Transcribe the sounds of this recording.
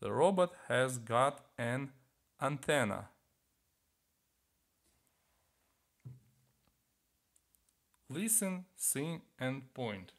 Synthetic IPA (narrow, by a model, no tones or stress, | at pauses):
ðə̰ɹɔbəthɨzɡɑɾɨ̃n | ʔãnt̪ʰɛnə̰ | lɪsɨ̃nsĩmɨ̃npʰɔ̃ɪ̃nt